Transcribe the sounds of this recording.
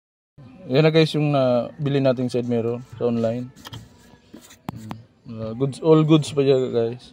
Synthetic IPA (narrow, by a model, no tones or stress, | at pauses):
janɐɡajsjʊŋnabilɪnaːt̪̬ɪŋsad̪̚mɛɾosɐʔonlajn | aɡud̪sʔolɡʊd̪spɐʃaɡajs